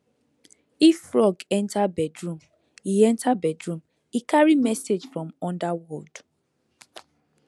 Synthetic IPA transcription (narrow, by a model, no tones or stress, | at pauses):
ifːɹɔɡɛ̃ntʰabɛdɹũm | iɛ̃ntʰabɛdɹũm | ikʰaɹimɛsed͡ʒfɹɔ̃mɔ̃ndawɔd̥